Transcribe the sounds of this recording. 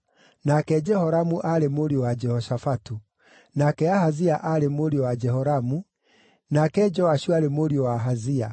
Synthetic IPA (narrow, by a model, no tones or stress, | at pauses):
nakɛd͡ʒɛhɔɾamuʔaɾemoɾiowad͡ʒɛhɔʃafatu | nakɛaɦaziaʔaɾemoɾiowad͡ʒɛɦɔɾamu | nakɛd͡ʒɔwaʃuaɾemoɾiowaɦazia̰